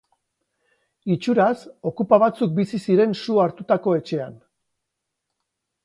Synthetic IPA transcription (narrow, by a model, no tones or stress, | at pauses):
it͡ʃuɾaso̞kupaβ̞at͡suk̚bisisiɾe̞nsuaɾt̪ut̪ako̞e̞t͡ʃe̞an